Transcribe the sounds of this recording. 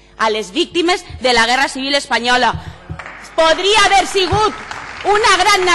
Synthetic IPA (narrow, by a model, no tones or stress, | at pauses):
alezβik̚t̪imezðelaɣ̞ɛrasiβ̞ilespaɲɔla | poðɾiaːβeɾsiɣ̞ut̪unaɣɾanːa